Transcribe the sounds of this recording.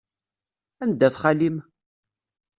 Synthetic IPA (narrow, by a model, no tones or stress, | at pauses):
ænd̪æθχalim